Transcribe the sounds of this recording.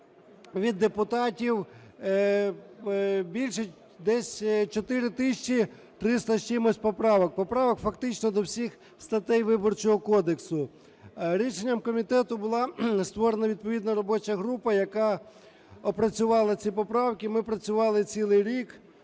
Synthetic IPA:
ʋʲid̪ːepʊt̪ɑtʲiw | bʲilʲʃɛ | d̪ɛsʲt͡ʃɔt̪ɪɾɪt̪ɪʃʲt͡ʃi | t̪ɾɪst̪ɐʃt͡ʃɪmɔsʲpɔpɾɑʋɔk̚pɔpɾɑʋɔkfɐkt̪ɪt͡ʃnɔd̪ɔwsʲix | st̪ɐt̪ɛjʋɪbɔrt͡ʃɔɦɔkɔd̪eksʊ | ɾʲiʃenʲːɐmkɔmʲit̪ɛt̪ʊbʊlˠɑst̪ʋɔɾenɐʋʲid̪̚pɔʋʲid̪nɐɾɔbɔt͡ʃɐɦɾupɐjɐkɑ | ɔpɾɐt͡sʲʊʋɑlˠɐt͡sʲipɔpɾɑwkɪmɪpɾɐt͡sʲʊʋɑlˠɪt͡sʲilˠɪjɾʲik

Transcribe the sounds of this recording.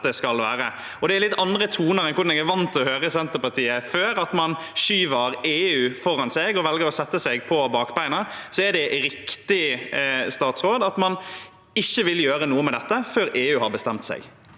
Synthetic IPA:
d̪ɛskɑlʋæːɾə | ɔd̪ɛæɾlɪt̪ːɑnd̪ɾət̪ʰuːnəɾɛnkʰʊɾnɛɡæɾʋɑnt̪ɔhøːɾəsɛnt̪əpɑɾt̪ʰiːəføːɾɑt̪mɑnʃyːʋəɾeːʉːfɔɾɑnsɛɡɔʋɛlɡəɾɔsɛt̪ːəsɛɡpʰɔbɑːkbæɪnəsɔæɖɛɾɪkt̪ɪ | st̪ɑːt̪sɾoːd̪ɑt̪mɑn | ɪçːəʋɪljøːɾənuːəmɛd̪ɛt̪ːəføːɾeːʉːhɑɾbəst̪ɛmt̪sɛ̰ɪɡ

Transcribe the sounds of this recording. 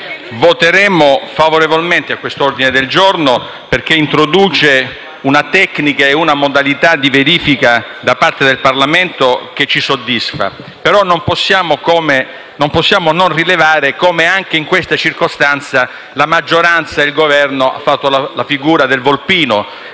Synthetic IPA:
vot̪eɾɛːmofavoɾevolment̪eakːwest̪ord̪ined̪eld͡ʒorno | perk̟eint̪ɾod̪uːt͡ʃe | unat̪ɛkːnikaeunamod̪alit̪ad̪iveɾiːfikad̪apart̪ed̪elparlament̪ok̟et͡ʃːisod̪ːisfa̰ | peɾɔnːomposːjaːmokoːme | nomposːjaːmononrilevaːɾekoːmeaŋk̟eiŋkwest̪at͡ʃirkost̪ant̪sa | lamad͡ʒːoɾant̪sailɡovɛrnoa̰fːat̪ːolalafiɡuːɾad̪elvolpiːno

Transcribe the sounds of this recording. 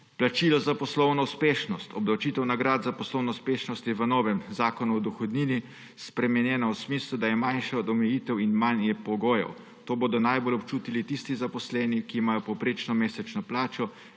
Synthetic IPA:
plat͡ʃilɔzapɔslɔwnɔwspeːʃnɔst̪ɔbnawt͡ʃit̪ɛwnaɡɾaːd̪zapɔslɔwnɔuspeːʃnɔst̪jɛʋənɔːʋɛmzaːkɔnuɔd̪ɔxɔd̪nini | spɾɛmɛnjɛːnawsmiːslud̪ajɛmanʃɛɔd̪ɔmɛjit̪ɛwinmanjɛpɔɡoːjɛ̰w | t̪oːboːd̪ɔnajbolɔpt͡ʃuːt̪ilit̪ist̪izapɔslɛːnikiːmaːjɔpɔwpɾeːt͡ʃnɔmeːsɛt͡ʃnɔplaːt͡ʃɔ

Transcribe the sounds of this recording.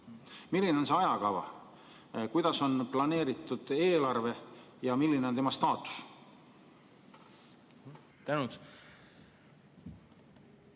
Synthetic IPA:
milːine̞onse̞ɑjɑkɑvɑ̰ | kujd̪̥ɑso̞nplɑne̞ːɾit̪ˑːud̪̥e̞ːlɑrve̞ | jɑmilːinet̪emɑst̪ɑːt̪ːˑu̥s | t̪ænu

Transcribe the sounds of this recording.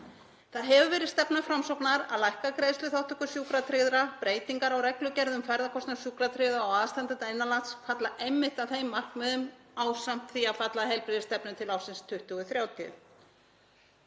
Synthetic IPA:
θaðɦɛvʏvɛːɾɪðst̪ɛpnafɾamsɔwpnaɾa̰ðlajhkakɾejslʏθawht̪ʏkʏsjuːkɾat̪ʰɾɪðɾapɾeːjt̪iŋkaɾawɾɛklʏcɛɾðʏmfajɾðakʰɔst̪nasjuːkɾat̪ʰɾɪðaawaðst̪ant̪ɪaɪnːalat̪sfat̪laʔejmːɪht̪aðθejmːar̥kmɛðʏmawsam̥t̪θiaðfat̪laɦɛjlpɾɪðɪst̪ɛpnʏmt̪ʰɪlawsɪnst̪ʰʏht̪ʏɣʏθɾjaːwt̪ʰʏ̰

